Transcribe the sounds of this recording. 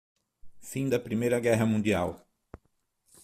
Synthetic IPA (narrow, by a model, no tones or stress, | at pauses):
fĩd̪ɐpɾimejɾɐɡɛɦɐmũd̪iaw